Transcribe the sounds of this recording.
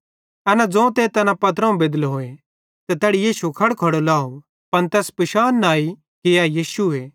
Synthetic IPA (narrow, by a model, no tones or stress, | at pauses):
ɛːnad͡zõt̪eːt̪ɛnapɐt̪ɾãũbeːd̪əlɦoːe | t̪et̪ɛːɽijiːsukʰɐɽkʰɐɽolaːo | pɐnt̪ɛːspɪʃaːnːaːi | kejajiːsue